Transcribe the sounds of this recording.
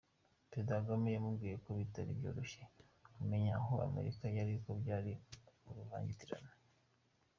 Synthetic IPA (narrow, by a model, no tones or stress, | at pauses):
pedaɡamijamubɡiːjekoβitaɾḭbjo̰ːɾoʃe | ume̞ɲaɦoa̰me̞̰ɾikajaɾikobɟaːɾimuɾuva̰ːɲɟitiɾa̰na